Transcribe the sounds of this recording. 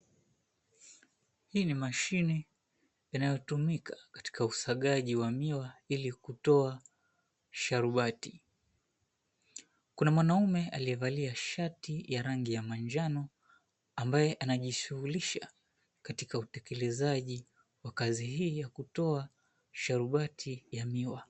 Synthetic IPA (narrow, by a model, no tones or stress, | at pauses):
hiːnimaʃini | janajɔtumikakḁti̥kausaɠaʄiwamiwailikutɔa | ʃaɾuɓati | kunamwanaumɛʔaliɛvaliaʃatijaɾaŋɡijamaɲd͡ʒanɔ | ambajɛʔanaʄiʃuhuliʃa | katikautɛkɛlɛzaʄi | wakaziɦiːjakutɔa | ʃaɾuɓatʰijamiwa